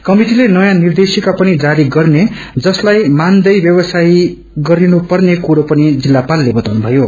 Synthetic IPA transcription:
kʌmiʈilenʌjãnird̪esikapʌnid͡zaɾiɡʌrne | d͡zʌslajmand̪ʌjbjʌbʌsaj | ɡʌɾinupʌrnekuɾopʌnid͡zilːapalːebʌt̪awnubʱʌjo

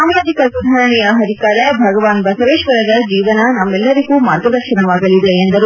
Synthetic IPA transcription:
aːmaːd̪ʱikɐsud̪ʱaːɾɐɳijɐɦɐd̪ʱikaːɾjɐbʱɐɡɐʋaːnbɐsɐʋeːʃʋɐɾɐd̪ɐd͡ʒiːʋɐnɐnɐmːɛlːɐɾiɡumaːɾɡɐd̪ɐɾʃɐnɐʋaːɡɐlid̪eːnd̪ɐɾu

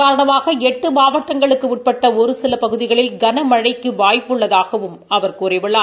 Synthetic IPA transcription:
aːɾɐɳɐmaːɣɐɛʈːɯmaːʋɐʈːɐŋɡɐɭɯkːɯʋɪʈ̚pɐʈːɐɔɾɯsɪlɐpɐɣɯðɪɣɐɭɪlɡɐnɐmɐɻɐɪkːɯʋaːjpːɯɭːɐðaːɣɐʋɯmɐʋɐɾkuːrɪʋɪɭːaː

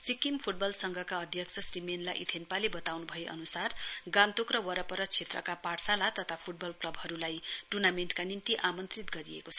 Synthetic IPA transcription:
sikimpʰuʈ̚bʌlsʌŋɡʱʌkaʌd̪ʱjʌksʰʌsrimenlajʔit̪ʰenpalebʌt̪awnubʱʌeʔʌ̰nusarɡãnt̪ukrʌwʌɾʌpʌɾʌt͡sʰet̪rʌ̰kapaɽsalat̪ʌt̪ʰapʰuʈ̚bʌlklʌbɦʌɾulajʈurnamenʈkanimt̪iʔamʌnt̪rit̪ɡʌɾiḛkot͡sʰʌ

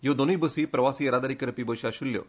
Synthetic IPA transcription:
jod̪onibəsiːpɾɐʋasiːeɾad̪aɾikəɾpibəɕaɕulːjo̰

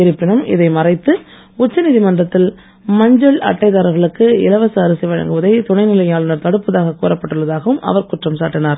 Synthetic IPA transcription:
ɪɾɯpːɪɳɐmɪ̰ðɐɪmɐrɐɪt̪ːɯ | ʊt͡ʃːɐnɪðimɐnd̪rɐt̪ːɪl | mɐɲd͡ʒɐɭɐ̰ʈːɐɪðaːɾɐɣɐɭɯkːɯɪlɐʋɐsaːɾɯsɪʋɐɻɐ̰ŋɡɯʋɐðɐɪt̪ʊɳɐɪnɪlɐɪaːɭɯnɐɾt̪ɐɽɯpːɐðaːɣɐkːuːrɐpːɐʈːɯɭːɐðaːɣɐʋɯmʔɐ̰ʋɐɾkʊʈrɐmsa̰ːʈːɪnaːɾ

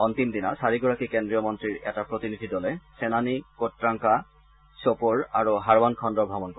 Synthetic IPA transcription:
ɔnt̪imd̪inasaɹiɡɔɹakikendɹijɔmɔnt̪ɹiɹɛ̰tapɹot̪inid̪ʱidɔlɛsenanikotːɹaŋka | sopoɹaɹuɦaɹbɔnkʰɔndɔbʱabɔnkɔ

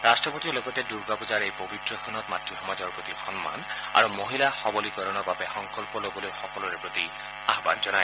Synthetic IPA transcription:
ɹastɹɔpot̪iloɡɔtɛduɹɡapɔzaɹejpobitɹɔkʰɔnɔt̚matɹixɔmazɔɹpɹot̪ixɔnma̰na̰ɹumoɦilaxɔbɔlikɔɾɔnɔbabɛxɔŋkɔlpɔlobɔlojxɔkɔlɔɹɛpɹot̪i | aɦbanzɔnaj

